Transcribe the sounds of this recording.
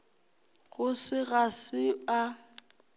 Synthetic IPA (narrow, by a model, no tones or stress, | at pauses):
ɣʊsɪɣasɪa